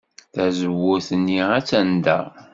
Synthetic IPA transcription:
θæzəwːʊθənːiæt͡sːænd̪æ̰

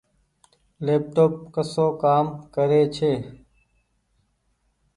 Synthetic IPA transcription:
leːp̚ʈoːp̚kəsoːkaːmkəɾeːt͡ʃʰeː

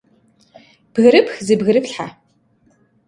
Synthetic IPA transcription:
b̥ɣɨɾɨpxzɨbɣɨɾɨpɬħa̰

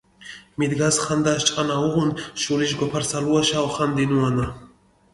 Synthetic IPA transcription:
mid̪ɡasχand̪aʃt͡ʃʼanauʁunʃuliʃɡɔpʰaɾsaluaʃawχand̪inuana

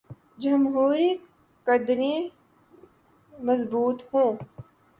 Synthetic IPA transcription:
d͡ʒɐmɦuːɾi | kɐd̪ɾẽ | mɐzbuːt̪hõː

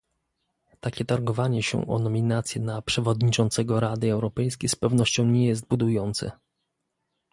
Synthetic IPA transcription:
t̪akʲɛt̪aɾɡɔvaɲɛɕɛ̰ʔɔ̰nɔmʲinat̪sʲjɛnapʂɛvɔd̪ɲit͡ʂɔnt̪sɛɡɔɾad̪ɘɛwɾɔpɛjskʲejspɛvnɔɕt͡ɕɔ̃w̃ɲɛjɛs̬t̪̚bud̪ujɔnt̪sɛ̰

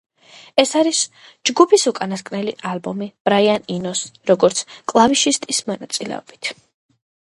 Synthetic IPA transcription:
ɛsaɾis | d͡ʒɡupʰisukʼanaskʼnɛliʔalbɔmib̥ɾaianinɔsɾɔɡɔɾt̪sʰkʼlˠaviʃist̪ʼismɔnat̪sʼilɛ̰ɔ̰b̥i̥t̪ʰ

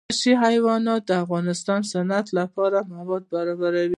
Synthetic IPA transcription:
ʃiɦajwɑnɑt̪̚d̪əafɣɑnɪst̪ɑnsanat̪lapɑɾamawɑd̪̚baɾɑbaɾawi

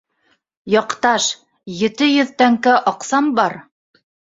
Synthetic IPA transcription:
jɑqt̪ɑʃ | jɘ̆t̪ɘjɵ̆ðt̪æŋkæʔɑqsɑmbɑɾ

